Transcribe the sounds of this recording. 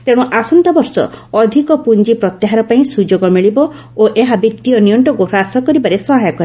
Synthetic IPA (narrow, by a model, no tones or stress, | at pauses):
t̪eɽ̃uʔasɔnt̪ɔbɔɾsɔ̰ɔd̪ʱikɔpund͡ʒipɾɔt̪jaɦaɾɔpaĩsud͡ʒoɡɔmiɭibɔ | oʔeɦabit̪ːijɔnijɔɳʈɔkuɾasɔkɔɾibaɾesɔɦajɔkɔɾe